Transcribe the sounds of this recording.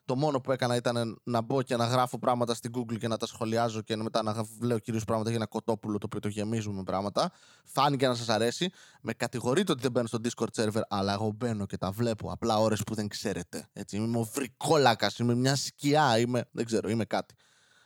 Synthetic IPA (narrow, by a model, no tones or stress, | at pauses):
t̪o̞mo̞no̞pue̞kɐnɐit̪ɐne̞nɐbo̞ce̞nɐɣɾɐfo̞pɾɐɣmɐt̪ɐst̪iɡuɡlce̞nɐt̪ɐsxo̞liɐzo̞ceme̞t̪ɐnɐvle̞ociɾio̞spɾɐɣmɐt̪ɐʝenɐko̞t̪o̞pulot̪oːpiot̪o̞ʝe̞mizumepɾɐɣmɐt̪ɐ | fɐnice̞nɐs̬ɐsɐɾe̞sime̞kɐt̪iɣo̞ɾit̪eot̪iðebenost̪o̞d̪isko̞ɾt̪seɾveɾɐlɐe̞ɣo̞be̞no̞ce̞t̪ɐvle̞po̞̰ɐ̰plɐo̞ɾe̞spuðe̞ŋkse̞ɾʔe̞t̪e̞e̞t͡siimemeo̞vɾiko̞lɐkɐsimemɲɐsciɐimeðeɡze̞ɾo̞ime̞kɐt̪i̥